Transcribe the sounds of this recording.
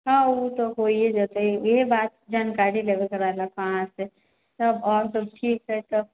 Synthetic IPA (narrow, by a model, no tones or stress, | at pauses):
ɦãut̪oɦoied͡ʒət̪eiebaːt̪̚d͡ʒaːnkaɾileʋekɐɾalakʰããse | t̪ɐbɔːɾsəb̚ʈʰiːkɦɛt̪o